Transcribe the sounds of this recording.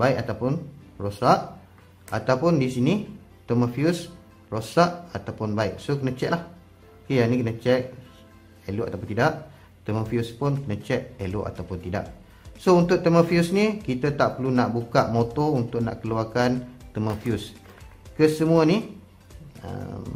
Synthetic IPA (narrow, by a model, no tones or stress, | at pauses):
baɪkat̪awpʊnrosaʔ | at̪awpʊndisini | t̪əməfius | rosaʔat̪awpʊnbaɪk̚sokənə̃t͡ʃɛʔlah | kejanikənət͡ʃɛk̚ | elʊʔat̪awpʊnt̪idaʔ | t̪əməfiuspʊnkənə̃t͡ʃɛʔ̚elʊʔa̰t̪awpʊnt̪ida̰ʔ | sount̪ʊʔt̪əməfiusnikit̪ət̪aʔpəlunaʔbukaʔmot̪ɔunt̪ʊʔna̰ʔkəluakant̪əməfius | kəsəmuəni | ə̰m